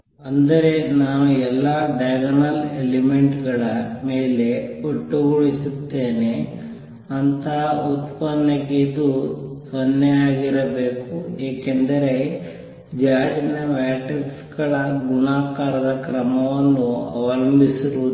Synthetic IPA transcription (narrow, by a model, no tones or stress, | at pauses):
ɐnd̪ɐɾe̞naːʋuɛlːaɖɐjɡɐnɐlelimeɳʈɡɐɭɐmeːle̞oʈːuɡuɭisut̪ːeːne | ɐnt̪ɐɦut̪pɐnːɐked̪usɐnːɐjaːɡiɾɐbe̞ːkueːkend̪ɐɾe̞ | d͡ʒaːɽinɐʋaːʈeksɡɐɭɐɡunaːkaːɾɐd̪ɐkɾɐmɐʋɐnːuɐ̰ʋɐlɐmbʱisiɾu